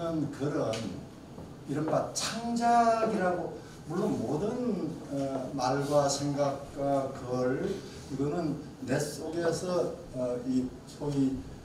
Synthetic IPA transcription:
ɯnkɯɾʌn | iɾʌnbat͡ɕʰaŋd͡ʑaɡiɾaɡo | muɭːonmodɯnʌmaɭɡwasʰeŋɡak̚k͈wakɯʌɭ | iɡʌnɯnː | e̞s͈oɡe̞sʰʌː | i | sʰoi

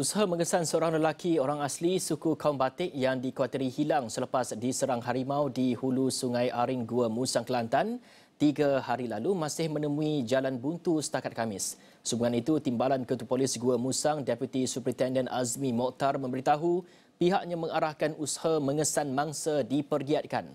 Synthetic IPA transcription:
usaɦamə̃ŋəsansəoɾaŋləlakʰioɾaŋaslisukukaumbat̪ɪʔjaŋdikwat̪əɾihilaŋsələpasdisəɾaŋɦaɾimãwdihulusuŋãjaɾinɡuəmũsaŋkəlant̪an | t̪iɡəhaɾilalumãsɪhmə̃nəmũid͡ʒalanbunt̪usə̥t̪akat̪̚kamɪsː | ubuŋanit̪ut̪imbalankət̪upolɪsɡuəmũsaŋdɛpjut̪isupəɾint̪ɛndənasmĩmɔʔt̪armə̃mbəɾit̪aɦu | piɦaʔɲãmə̃ŋaɾahkanusḁhamə̃ŋəsanmãŋsadipərɡiat̪̚kan

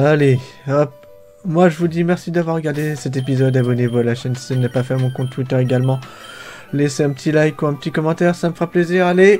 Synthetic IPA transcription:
aleɔp̚ | mwaʒəvud̪imɛʁsid̪avwaʁːəɡaʁd̪esɛt̪̬ep̬izɔd̪abɔnevɔlaʃɛnsiənapafɛʁmɔ̃kɔ̃t̪wit̪œʁeɡalmɑ̃ | leseɛ̃pət̪ʰilajkuɛ̃pət̪ikɔmɑ̃t̪ɛʁsaməfχapleziʁale

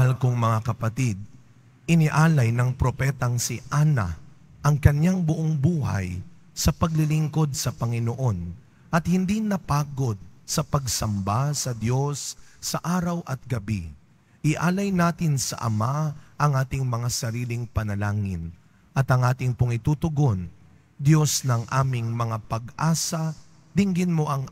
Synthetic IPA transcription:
ɐalkoŋmɐŋakɐpɐt̪id̪̚ | ʔɪnɪʔaːlɐjnɐŋpɾo̞pɛt̪ɐŋsɪʔanɐ̰ | ʔɐŋkɐɲjaŋbʊʔoŋbuːha̰j | sɐpɐɡlɪlɪŋko̞d̪̚sɐpɐŋɪnoʔo̞n | ʔɐt̪̚hɪnd̪inɐpaːɡo̞d̪̚sɐpɐɡsɐmbasɐd̪jo̞sːɐʔaːɾɐwʔɐt̪̚ɡɐbḭ | ʔɪʔaːlɐjnaːt̪ɪnsɐ̰ʔɐ̰maʔɐŋʔaːt̪ɪŋmɐŋasɐɾiːlɪŋpɐnɐlaːŋɪ̰n | ʔɐt̪ɐŋʔaːt̪ɪŋpʊŋɪt̪uːt̪ʊɡo̞n | d̪jo̞snɐŋʔaːmɪŋmɐŋapɐɡʔaːsɐ | d̪ɪŋɡɪnmo̞ʔɐŋ

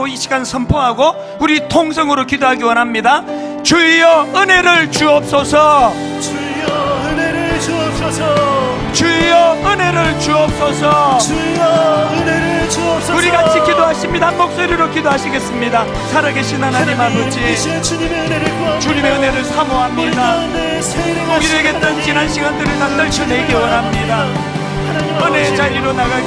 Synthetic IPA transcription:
oiɕʰiɡansʰʌmpʰoɦaɡo | uɾitʰoŋsʰʌŋɯɾokidoɦaɡiwʌnɦamɲidat͡ɕuijʌɯne̞ɾɯɭt͡ɕuʌp̚s͈ʌsʰʌ | t͡ɕuijʌɯne̞ɾɯɭt͡ɕuʌp̚s͈ʌsʰʌ | uɾiɡat͡ɕʰikidoɦaɕʰimɲidaɦnmok̚s͈oɾiɾokidoɦaɕʰiɡe̞s͈ɯmɲida | sʰaɾaɡe̞ɕʰinanaɲimabod͡ʑi | t͡ɕuɲime̞ɯne̞ɾɯɭsʰamoɦamɲida | oiɾeɡe̞t͈̚ʌnt͡ɕinanɕʰiɡandɯɾɯɭnandɯɭt͡ɕʰʌneɡewʌnɦamɲida | ɯne̞t͡ɕaɾiɾonaɡa

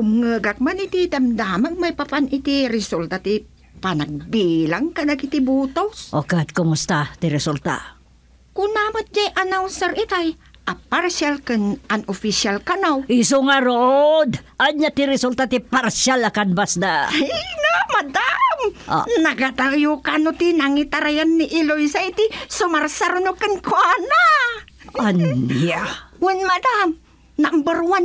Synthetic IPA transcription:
umŋəɡak̚manit̪it̪amd̪amak̚majpapanit̪iɾisult̪at̪i | panak̚bilaŋkanakit̪ibut̪osʔokad̪̚komust̪at̪iɾɛsult̪a̰ | kunamət̪̚d͡ʒajʔanawsəɾit̪aj | ʔaparsialkənanofisialkanawisuŋaɾod̪aɲat̪iɾisult̪at̪iparsalakanbasdaiŋamadamnaɡat̪ajukanut̪inaŋit̪aɾajanːiʔilojsajt̪isumarsarnukənkuana | aniawənmadam | naʔmbərwan

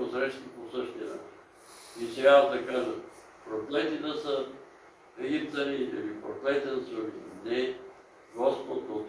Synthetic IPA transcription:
osɾɛʃt̪oposəʃt̪iɐna̰t͡ʃin | it̪ɾʲavəd̪ɐkaʒə | pɾoklɛt̪it̪əsə | ɛɡʲit̪ɐɾiḭlipɾoklɛt̪it̪əsolinɛ | ɡɔspot̪kot̪

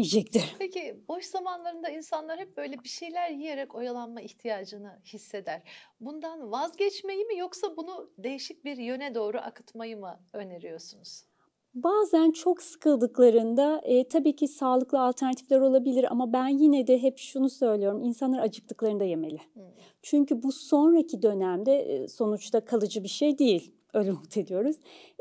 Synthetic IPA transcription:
id͡ʒɛct̪ʰiɾ̥pʰecibo̞ʃzamanlˠaɾɯnd̪ainsanlˠaɾhɛp̚bø̞jlʲɛbiʃe̞jlʲæɾjijeɾɛko̞jalˠanmaiçt̪ʰijaːd͡ʒɯnɯhisːe̞d̪æɾ̥bund̪anvazɟɛt͡ʃmejimijoksabunud̪e̞jiʃic̚biɾjø̞nɛd̪o̞ːɾuʔa̰kʰɯ̥t̪majɯmɯøne̞ɾijo̞sunuz̥ | baːzænt͡ʃʰo̞ksɯ̥kʰɯlˠd̪ɯklˠaɾɯnd̪at̪ʰabiːcʰisaːlˠɯklˠaːlʲt̪ʰæɾnat̪ʰiflʲæɾo̞lˠabilʲiɾa̰mabænjinɛd̪ɛɦɛpʃunusø̞jlʲijo̞ɾuminsanlˠaɾat͡ʃʰɯk̚t̪ɯ̥klˠaɾɯnd̪aje̞melʲɪ | t͡ʃʰyɲcʰybuso̞nɾacʰid̪ø̞næmd̪ɛ̰so̞nut͡ʃt̪ʰakʰalˠɯd͡ʒɯbiɾʃejd̪ejilʲ | ølʲmut̪ʰe̞d̪ijo̞ɾuz̥

